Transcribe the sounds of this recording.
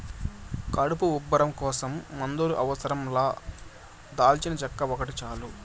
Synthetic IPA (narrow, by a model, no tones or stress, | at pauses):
kɐɽupuubːɐɾɐmkɔːsɐmːɐnd̪uɾuʔɐʋɐsɐɾɐmlaː | d̪aːlt͡ʃinɐt͡ʃɐkːɐʋɔkɐʈit͡ʃaːlu